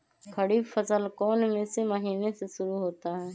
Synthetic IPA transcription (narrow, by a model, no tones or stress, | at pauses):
kʰəɽifəsəlkɔːnmẽseməɦiːneseʃʊɾuɦoːt̪aɦɛː